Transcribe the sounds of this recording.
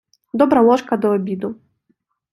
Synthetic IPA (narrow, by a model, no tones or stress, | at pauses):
d̪ɔbɾɐlˠɔʂkɐd̪ɔɔbʲid̪u